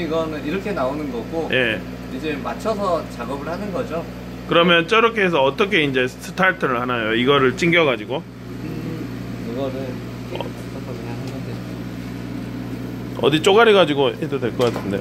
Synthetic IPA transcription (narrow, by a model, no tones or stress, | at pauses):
iɡʌnɯniɾʌkʰe̞naonɯnɡʌɡojʔe̞ | id͡ʑemat͡ɕʰʌsʰʌt͡ɕaɡʌbɯɭhanɯnɡʌd͡ʑo | kɯɾʌmjʌnt͡ɕ͈ʌɾʌkʰees̬ʰʌʌt͈ʌkʰe̞ind͡ʑe̞sʰɯ̥tʰaɭtʰɯɾɯɭhanajoiɡʌɾɯɭt͡ɕ͈iŋɡjʌɡad͡ʑiɡo | kɯɡʌnɯn | ʌ̰ | ɦaande | ʌ̰dit͡ɕ͈oɡaɾiɡad͡ʑiɡoɦedodwe̞ɭk͈ʌk͈atʰɯndeo